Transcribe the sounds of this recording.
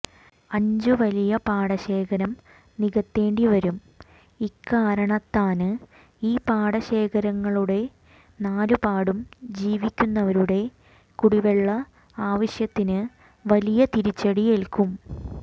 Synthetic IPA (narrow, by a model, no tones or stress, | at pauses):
ɐɲd͡ʑuʋɐlijɐpaːɽɐɕe̞ːkɐɾɐm | niɣɐt̪ːe̞ːɳɖiʋɐɾum | ikːaːɾɐɳɐt̪ːaːnɨ | iːpaːɽɐɕe̞ːkʰɐɾɐŋːɐɭuɽe̞ | naːlupaːɽumd͡ʑiːʋikʲːunːɐʋɐɾuɽe̞ | kuɽiʋeɭːɐ | aːʋɐɕjɐt̪ːinɨ | ʋɐlijɐt̪iɾit͡ɕːɐɽijelkum